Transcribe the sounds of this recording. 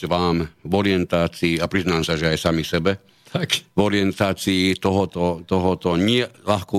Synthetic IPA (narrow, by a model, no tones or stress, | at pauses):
ʋaːmvɔɾɪɛnt̪aːt͡siːapɾiznaːmsaʒɛajsamisɛbɛ | t̪kʋɔɾɪɛnt̪aːt͡siːt̪ɔɦɔt̪ɔt̪ɔɦɔt̪ɔɲɪɛlaxkɔ